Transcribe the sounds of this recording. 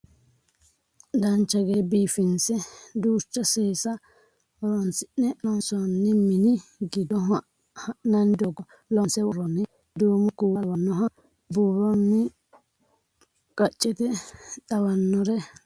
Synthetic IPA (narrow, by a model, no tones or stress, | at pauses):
d̪ɐnt͡ʃːɐɡeːbiːfɪnsɛd̪uːt͡ʃːɐseːsɐ | ɔɾɔnsɪʔnɛʔɔnsɔnːɪmɪnɪɡɪd̪ɔɦ | hɐʔnɐnd̪ɔɡɔ | lɔnsɛwɔɾɔnːɪ | d̪uːmʊkuɐwɐnːɔɦɐ | buːɾɔnːɪ | kʼɐt͡ʃʼːɪt̪ɛᶑɐwɐnːɔɾɛ